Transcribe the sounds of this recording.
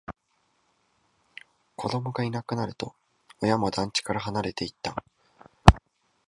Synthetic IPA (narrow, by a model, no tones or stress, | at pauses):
kʰo̞d̪o̞mo̞ɡainakɯ̟naɾɯ̟t̪o̞ | ojamo̞d̪ãɲ̟t͡ɕi̥kaɾaɦanaɾe̞t̪e̞it̪ːa